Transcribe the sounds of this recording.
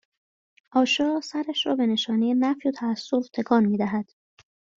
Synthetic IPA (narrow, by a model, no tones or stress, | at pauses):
ʔɒːʃɒːsæɾæʃɾɒːbe̞ne̞ʃɒːnijenæfjot̪ʰæːsːoft̪ʰe̞kʰɒːnmiːd̪æɦæd̪̥